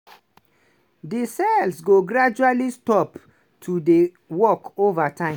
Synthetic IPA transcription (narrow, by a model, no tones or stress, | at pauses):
disɛlsɡoɡɹad͡ʒualistɔp | tʰude | wɔkovatʰãɪ̃